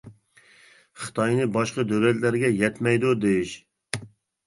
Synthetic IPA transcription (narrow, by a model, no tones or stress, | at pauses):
χɨ̥t̪ʰɑjnɨbɑʃqəd̪ølɛt̪læɾɡʲɛjɛt̪mɛjd̪ud̪ejiʃ